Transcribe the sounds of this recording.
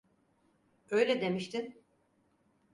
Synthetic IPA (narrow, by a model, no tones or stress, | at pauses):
øjlʲɛd̪e̞miʃt̪ʰɪn